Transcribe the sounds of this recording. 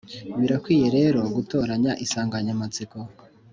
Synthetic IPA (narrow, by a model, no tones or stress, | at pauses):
βiɾakwiːje̞ɾe̞ɾo̞ɡuto̞ːɾaɲaʔisaːŋɡaɲamat͡siko